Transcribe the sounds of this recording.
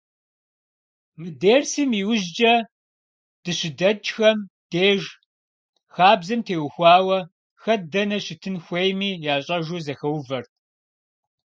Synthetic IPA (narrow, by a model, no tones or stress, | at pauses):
mɨdeːrsɨmiwʊʑd͡ʒɐ | d̥ɨɕɪdɐt͡ʃxɐm | d̥eːʒ | xaːbzɐmtʰeːwxʷɑːwɐ | xɐdɐnɐɕɪtʰɨnxʷejmiːjaːɕʼɐʒuːzɐxɐwvɐrt̚ʰ